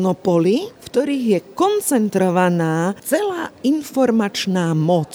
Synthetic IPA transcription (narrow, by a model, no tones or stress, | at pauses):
nɔpɔlifkt̪ɔɾiːɣjɛkɔnt͡sɛnt̪ɾɔʋanaːt͡sɛlaːinfɔɾmat͡ʃnaːmɔt͡s